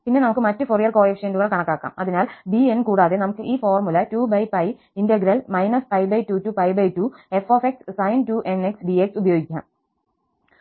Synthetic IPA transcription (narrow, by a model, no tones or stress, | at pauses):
pinːe̞nɐmukːɨmɐtːɨporijɐrko̞ːɽifʂenduɣɐɭkɐɳɐkːaːkːa̰ːmɐðinaːlbienkuːɽaːðenɐmukːɨʔiːfoːrmulɐtuːbɐjpɐj | indɐɡiɾɐlmɐjnɐspɐjbɐjtuːtːupɐjbɐjtue̞foːfekssɐjntuːʔeneksbieksubɐjoːɡikʲːa̰ːm